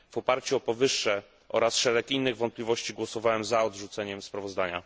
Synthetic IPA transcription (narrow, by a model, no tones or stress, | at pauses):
vɔpaɾt͡ɕuɔpɔvɘʂːɛ | ʔɔ̰ɾasʂɛɾɛkinːɘɣvɔnt̪̚plʲivɔɕt͡ɕiɡwɔsɔvawɛmzaɔd̪ʐut̪sɛɲɛmspɾavɔzd̪aɲa̰